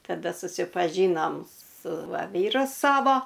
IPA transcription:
tɐˈdɐ sʊsʲɪpɐˈʒʲiːnoːm sʊ ˈʋɐ ˈʋʲiːrʊ ˈsɑːʋoː

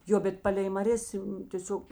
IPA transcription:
ˈjoː bʲɛt ˈpɑːlʲɛɪ mɐˈrʲeːs tʲeːˈsʲoːk

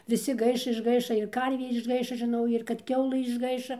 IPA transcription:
ʋʲɪˈsʲɪ ˈɡɐɪʃ ɪʒˈɡɐɪʃɐ ɪr ˈkɐrʲʋʲeː ɪʒˈɡɐɪʃɐ ʒʲɪˈnɐʊ ɪr kɐt ˈkʲɛʊlˠɘ ɪʒˈɡɐɪʃɐ

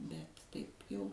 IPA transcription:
bʲɛt ˈtɐɪp jɛʊ

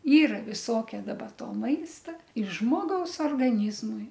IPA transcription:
ˈiːrɐ ʋʲɪˈsoːkʲɛ dɐˈbɐ ˈtoː ˈmɐɪstɐ ɪ ˈʒmoːɡɐʊs oːrɡɐˈnʲiːzmʊɪ

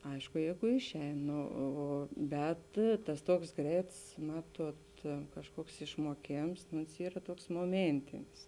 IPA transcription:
ˈɐɪʃkʊ ˈjɛɪɡʊ ˈɪʃʲˌɛɪn ˈnoː ˈoː oː ˈbʲɛt tɐs ˈtuɔks ˈɡrʲɛɪts ˈmɑːtuɔt kɐʃˈkuɔks ɪʃmuɔˈkʲeːms nʊ oːns ˈiːrɐ ˈtuɔks moːˈmʲeːnʲtʲɪnʲɪs

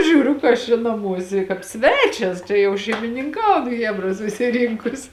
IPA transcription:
ˈʒʲuːrʲʊ kɐ ˈɐʃ t͡ʃʲɛ nɐˈmuɔsʲɛ kɑːp ˈsʲʋʲæːt͡ʃʲɛs t͡ʃʲɛ jɛʊ ʃʲɛɪmʲɪnʲɪŋˈkɐʊn ˈxʲæːbrɐ sʊsʲɪˈrʲɪŋkʊs

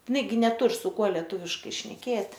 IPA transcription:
ɪˈnɐɪ ɡʲɪ nʲɛˈtʊr sʊ ˈkuɔ lʲɛˈtuːʋʲɪʃkɐɪ ʃʲnʲɛˈkʲeːtʲ

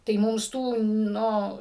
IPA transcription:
tɐɪ ˈmʊms ˈtuː ˈnʊ

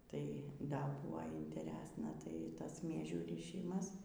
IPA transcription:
ˈtɐɪ ˈdɐ ˈbuɔ ɪnʲtʲɛˈrʲæːsnɐ tɐɪ ˈtɐs ˈmʲiɛʒʲuː rʲiːˈʃʲiːmɐs

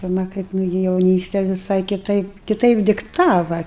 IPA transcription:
pʲɪrˈmɐ ˈkɐɪp ˈnʊɡʲɪ jɛʊˈnʲiːsʲtʲɛ ʋʲɪˈsɐɪ kʲɪˈtɐɪp kʲɪˈtɐɪp dʲɪkˈtɑːʋɐ

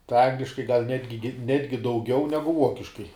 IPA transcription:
tɐɪ ˈɐŋɡlʲɪʃkɐɪ ɡɐlˠ ˈnʲæːdʲɡʲɪ ˈnʲæːdʲɡʲɪ dɐʊˈɡʲɛʊ ˈnʲæːɡʊ ˈuɔkʲɪʃkɐɪ

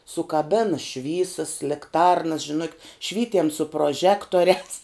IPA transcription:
sʊkɐˈbʲæːnɐ ˈʃʲʋʲiːsɐs lʲɪkˈtɐrnɐs ʒʲɪˈnʊkʲɪt ˈʃʲʋʲiːtʲiɛm sʊ proːˈʒʲæːktoːrʲæːs

